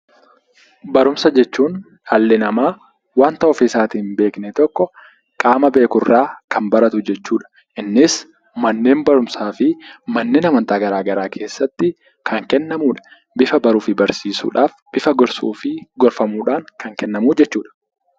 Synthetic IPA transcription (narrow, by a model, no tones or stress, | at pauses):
bɐɾʊmsɐd͡ʒɛt͡ʃːuːn | hɐlːɪnɐmaː | waːnt̪ɐɔfɪɪsaːt̪iːmbe̞ːknɛt̪ɔkːɔ | kʼaːmɐbe̞ːkʊrːaːkʰɐmbɐɾɐt̪ʊd͡ʒɛt͡ʃːuːᶑɐ̥ | ʔɪnːɪs | mɐnːe̞ːnbɐɾʊmsaːfɪmɐnːeːnɐmɐnt̪aːɡɐɾaːɡɐɾaːkʰe̞ːsːɐt̪ːɪ | kʰɐŋkɛnːɐmuːᶑɐ̥ | bɪfɐbɐɾuːfɪbɐɾsiːsṵːᶑaːfb̥ɪfɐɡɔɾsṵːfɪɡɔɾfɐmuːᶑaːŋkɐŋkɛnːɐmuːd͡ʒɛt͡ʃːuːᶑɐ̥